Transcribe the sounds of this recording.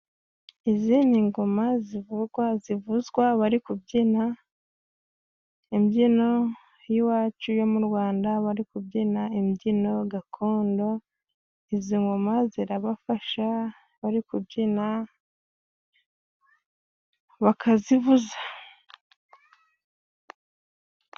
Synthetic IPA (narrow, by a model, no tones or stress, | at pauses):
iziniŋɡomazivuɡwazivuzɡwaβaɾikub̚ɟina | imɟino̞ | jiwaːt͡ʃujo̞muɾɡwaːndaβaɾikubɟinaimɟino̞ɡakʰo̞ːndo̞ | iziŋɡomaziɾaβafaʃa | βaɾikubɟina | βakʰazivuza